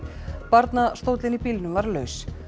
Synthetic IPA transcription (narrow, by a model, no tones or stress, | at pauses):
paɾt̪nast̪oːwt̪lɪnipilnʏmvaɾlœ̰ːɥs